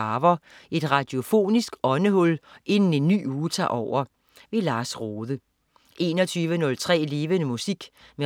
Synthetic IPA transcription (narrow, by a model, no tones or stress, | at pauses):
ɑʋɐʔe̝d̥ʁɑ̈d̥io̝fo̝̰ːnisɡ̥ɒ̽nəhɔ̽lʔe̝nn̩e̝nːy̰ːuːt͡sʰɑ̰̈ːʔɒʊ̰ɐ | ʋe̝lɑ̈ːsʁoːðˠə | ʔe̝̰ːnɒ̽t͡sʰyːʋənɔ̽lt͡sʰʁɛ̰ːle̝ːʋənəmusiɡ̥me